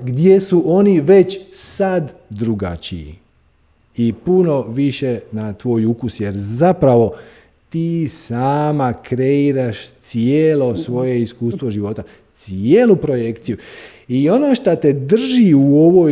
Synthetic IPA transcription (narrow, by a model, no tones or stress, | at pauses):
ɡd̪je̞suʔo̞niʋe̞t͡ɕsad̪ːɾuɡa̰t͡ɕḭḭ | ipuno̞ʋiʃe̞nat̪ʋo̞ːjukusje̞ɾzapɾaʋo̞ | t̪iːsaːmakɾe̞iɾaʃt̪sieːlosʋo̞je̞iskuːst̪ʋo̞ʒiʋo̞t̪a | t̪sieːlupɾo̞je̞kt̪siju | io̞no̞ːʃt̪at̪e̞d̪r̩ʒiuo̞ʋo̞